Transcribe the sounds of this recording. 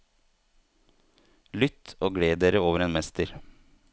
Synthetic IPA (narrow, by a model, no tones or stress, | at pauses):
lʏt̪oːɡɽeːd̪eːɾəoːʋəɾeːnmɛst̪əɾ